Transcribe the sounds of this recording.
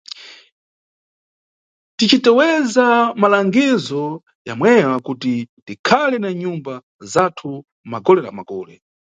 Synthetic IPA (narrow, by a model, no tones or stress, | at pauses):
tit͡ʃitɛwɛzamalaŋɡizɔ | ja̰mwɛwakutitikʰalɛnaɲumba | zatʰu | maɡɔlɛla̰ma̰ɡɔːlɛ̰